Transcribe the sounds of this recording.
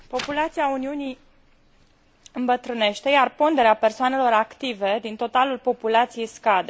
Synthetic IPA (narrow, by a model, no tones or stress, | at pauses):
po̞pulat̪siauniunij | ɨmbət̪ɾɨne̞ʃt̪e̞jarpond̪eɾeape̞rsoane̞lo̞ɾakt̪ive̞d̪int̪o̞t̪alulpo̞pulat̪sijejskad̪e